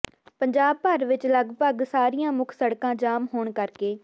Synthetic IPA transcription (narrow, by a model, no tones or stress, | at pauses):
pəɲd͡ʒaːb̚pəɾʋɪt͡ʃləɡpəɡsaːɾijãːmʊkʰsəɽkãːd͡ʒaːmɦoːɳkəɾkeː